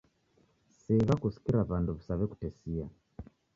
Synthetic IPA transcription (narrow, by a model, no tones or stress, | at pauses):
sɛβakusi̥kiɾaβanduβisaβɛku̥tɛsia